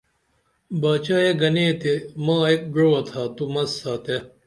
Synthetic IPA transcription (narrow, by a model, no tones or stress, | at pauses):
baːt͡ɕaːjeɡɐneːt̪emãːek̚ɡɾowɐt̪ʰaːt̪umɐsaːt̪e